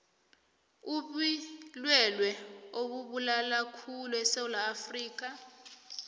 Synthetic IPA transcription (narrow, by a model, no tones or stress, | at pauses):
uɓilwɛlwɛoɓuɓulalakʰuluɛsewulaːfriːk̬a